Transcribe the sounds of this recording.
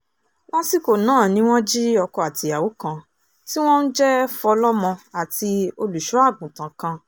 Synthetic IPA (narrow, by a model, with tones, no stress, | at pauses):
w̃ɔ̃˦si˦ko˦˨nãː˦˨nĩ˨˦w̃ɔ̃˦d͡ʒi˦ɔ˧kɔ˧a˨ti˧a˨wo˨˦kã˧ | ti˦w̃ɔ̃˦n̩˦d͡ʒɛ˦fɔ˧lɔ˦mɔ̃˧a˨ti˧o˧lu˨ʃu˨˦a˦˨ɡ͡bũ˨tã˨kã˧